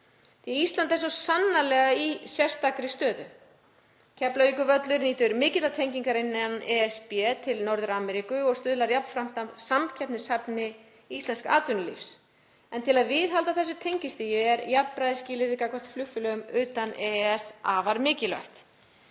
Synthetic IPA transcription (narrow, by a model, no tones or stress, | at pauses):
θiɛist̪lant̪ɛs̬ɔsanːalɛɣaisjɛr̥st̪akɾɪst̪œːðʏ̰ | cʰɛplavikʏvœt̪lʏɾniːt̪ʏɾmɪːcɪt̪lat̪ʰejɲciŋkaɾɪnːnnɛɛspɛt̪ʰɪlnɔɾðʏɾaːmɛɾikʏɔɣst̪ʏðlaɾjapn̥fɾam̥t̪asamcʰɛpnɪsapnɪ | ist̪lɛnska̰ːt̪ʏnʏlḭfs | ɛnt̪ʰɪlaðvɪðɦalt̪aθɛs̬ːʏt̪ʰejɲcɪst̪ijɪɛɾjapnpɾajðɪsciːlɪɾɪkakvar̥t̪flʏxfʏlœɣʏmʏːt̪anɛɛsaːvaɾmɪːcɪlva̰jht̪